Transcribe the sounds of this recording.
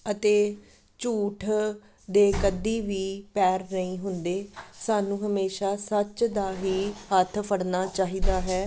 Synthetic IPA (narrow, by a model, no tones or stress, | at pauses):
ət̪eː | t͡ʃuːʈʰ | d̪eːkəd̪iːʋiːpɛːɾnəĩːɦʊnd̪eːsaːnũːɦəmeːʃaːsət͡ʃd̪aːɦiːhət̪ʰpʰəɽnaːt͡ʃaːɦiːd̪aːɦɛː